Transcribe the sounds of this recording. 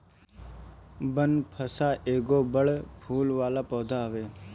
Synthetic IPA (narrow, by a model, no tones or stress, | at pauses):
bənpʰəsaːʔeːɡoːbəɽpʰuːlʋaːlapɔːd̪ʱaːʋeː